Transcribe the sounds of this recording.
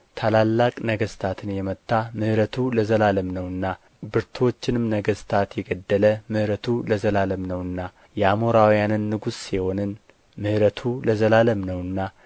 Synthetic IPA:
t̪ʰalalːakʼnəɡəst̪ʰat̪ʰɨnjɛmət̪ʰːamɨhɾət̪ʰuləzəlaləmnəwɨnːa | bɨɾt̪ʰwo̞t͡ʃːɪnɨmnəɡəst̪ʰat̪jɛɡəd̪ːələmɨhɾət̪ʰuləzəlaləmnəwɨnːa | jɛamoɾawjanɨnːɨɡusːiho̞nɨn | mɨhɾət̪ʰuləzəlaləmnəwɨnːa

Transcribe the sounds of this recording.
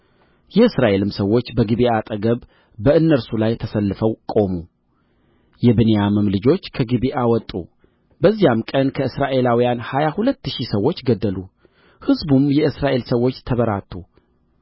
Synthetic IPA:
jɛɨsɾaʔe̞lɨmsəwːo̞t͡ʃːbəɡiβiʔat̪ʼəɡəβ | bəɨnːəɾsulajt̪ʰəsəlːɨfəwkʼo̞mu | jɛbɨnejamɨmlɨd͡ʒo̞t͡ʃːkʰəɡiβiʔawɔt̪ʼṵ | bəzːijamkʼənkʰəɨsɾaʔe̞lawijanhajahulət̪ːɨʃisəwːo̞t͡ʃːɡəd̪ːəlu | hɨzbumjɛʔɨsɾaʔe̞lsəwːo̞t͡ʃːt̪ʰəβəɾa̰t̪ʰːu

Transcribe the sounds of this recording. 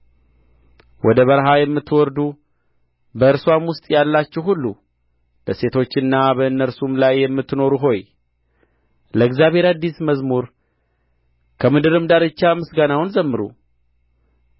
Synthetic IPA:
wʔɔd̪əβəɾɦajɛmːɨt̪ːwɔɾd̪u | bəɨɾswamwʊst̪ʼjalːat͡ʃːɛwhulːu | b̥əse̞t̪ʰo̞t͡ʃːɨnːabəɨnːəɾsumlajːɛmːɨt̪ːno̞ɾuɦo̞j | ləɨɡzjaβhe̞ɾad̪ːisməzmuɾ | kʰəmɨd̪ɨɾɨmd̪aɾɨt͡ʃːamɨsɡanawnzəmːɨɾṵ

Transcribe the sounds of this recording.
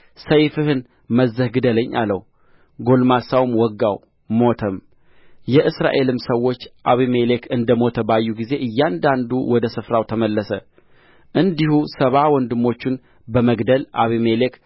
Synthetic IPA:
səjfɨhɨn | məzːəhɡɨd̪ələɲːʔa̰ləw | ɡo̞lmasawmwɔɡːaw | mo̞t̪ʰəm | jɛʔɨsɾa̰ʔe̞lɨmsəwːo̞t͡ʃːʔaβime̞le̞kʰɨnd̪əmo̞t̪ʰəbajːuɡize̞ʔɨjːand̪and̪uwɔd̪əsɨfɾawt̪ʰəməlːəsə | ʔɨnd̪ihusəβawɔnd̪ɨmːo̞t͡ʃːɪn | bəməɡd̪əla̰βimelek

